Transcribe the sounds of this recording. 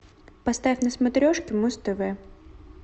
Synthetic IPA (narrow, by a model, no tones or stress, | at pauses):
pɐst̪aɪfʲnɐsmɐt̪ɾʲɔʂkʲɪmust̪ɨvɛ